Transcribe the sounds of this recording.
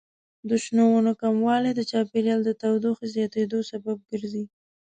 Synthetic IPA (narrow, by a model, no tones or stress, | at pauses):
d̪ʊʃnowunokamwɑled̪ət͡ʃɑpeljɑld̪ət̪awd̪oxezjɑt̪ed̪osabab̚ɡəɾzi